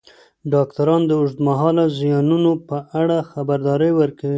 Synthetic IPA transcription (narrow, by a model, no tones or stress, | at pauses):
ɖɑkt̪aɾɑnd̪əʊʐd̪maɦɑlazijɑnunopəʔaɽaxabaɾd̪ɑɾəjwəɾkawi